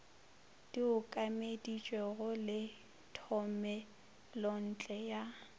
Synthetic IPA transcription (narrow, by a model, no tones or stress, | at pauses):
d̥iʊkʼamedit͡ʃʼwɛɣʊlɪ | tʰɔmɛ | lɔn̩t͡ɬʼɛja